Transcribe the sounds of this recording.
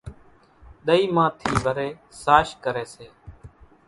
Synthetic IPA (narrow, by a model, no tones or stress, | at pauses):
ɗ̪əiːmãːt̪ʰiːʋəɾeːsaːʃkəɾeːseː